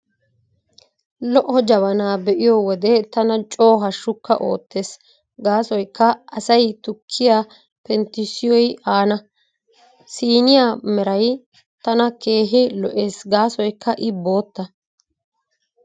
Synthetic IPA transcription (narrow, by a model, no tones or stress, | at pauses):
lɔʔɔd͡ʒɐβɐnaːbɛʔɪjɔwɔd̪ɛt̪ɐnɐt͡ʃʼo̞ːɦɐʃːʊkːɐ̰ʔo̞̰ːt̪ːe̞ːs | ɡaːsɔjkːɐʔɐsɐjt̪ʊkʰːɪjaː | pɛnt̪ɪsɪjɔjaːnɐ | siːnɪjaːmɛɾɐj | t̪ɐnɐke̞ːɦɪlɔʔe̞ːsɡaːsɔjkːɐʔɪbo̞ːt̪ːɐ